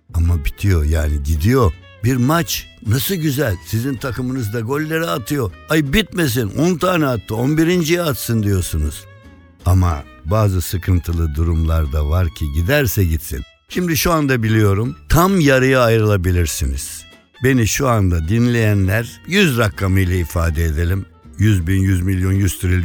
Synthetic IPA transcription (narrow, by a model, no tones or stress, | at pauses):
amabit̪ʰijo̞jaːniɟ̪id̪ijo̞ | biɾmat͡ʃnasɯɟyzælʲsizint̪ʰakʰɯmɯnɯzd̪aɡo̞lʲːeɾiat̪ʰɯjo̞ajbit̪̚me̞s̬inʔont̪ʰaːnɛat̪ːɯonbiɾind͡ʒijɛat̪sɯnd̪ijo̞sunṵz̥ | ama̰ | baːzɯsɯkʰɯnt̪ʰɯlˠɯd̪uɾumlˠaɾd̪avaɾcʰiɟid̪æɾsɛɟit̪sḭn | ʃimd̪iʃuand̪abilʲijo̞ɾumt̪ʰamjaɾɯjaːjɾɯlˠabilʲiɾsinḭz̥ | be̞niʃuand̪ad̪inlʲe̞jænlʲæɾjyzɾakʰːamɯjlʲˠaifaːd̪ɛed̪e̞lʲim | jyzbinjyzmilʲjo̞njyst̪ʰɾilʲ